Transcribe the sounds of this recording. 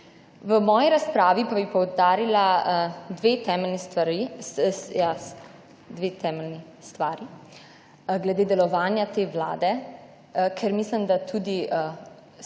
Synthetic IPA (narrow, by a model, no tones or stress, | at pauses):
ʋəmɔːjiɾaspɾaːʋipabipɔwd̪aːɾilad̪ʋeːt̪ɛːmɛlnist̪ʋaɾi | ja | d̪ʋeːt̪ɛːmɛlni | st̪ʋaːɾi | ɡlɛd̪eːd̪ɛlɔʋaːnjat̪eːʋla̰ːd̪ɛ | kʰɛɾmislimd̪at̪ʰud̪iʔ